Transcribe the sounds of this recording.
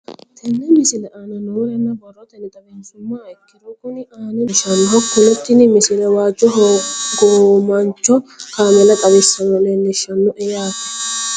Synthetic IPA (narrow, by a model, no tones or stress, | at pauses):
t̪ʰɛnːɛmɪsɪlɛʔaːnɐnɔːɾɛnːɐbɐrːɔt̪ɛnɪt̪ʼɐbɛnsʊmːaːɛkːɪd̪ɔkʊnɪʔaːnɛʃɐnːɔkːʊnɔt̪ːɪnɪmɪsɪlɛwaːd͡ʒːɔɦɡɔmɐnt͡ʃːɔkaːmɛlɐt̪ʼɐbɪsːɐnːɔleːnːɪʃɐnːɔʔɛjaːkː